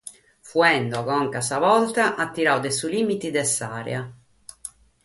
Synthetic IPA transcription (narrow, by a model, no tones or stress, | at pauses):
fuɛnd̪ɔkɔŋkasavɔlt̪aʔat̪ːiɾawd̪esulimit̪id̪ɛsa̰ːɾj̰a